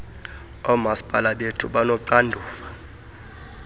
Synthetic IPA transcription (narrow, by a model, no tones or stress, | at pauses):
ɔmaspʼalaɓetʰuɓanɔǃandʱuːfḁ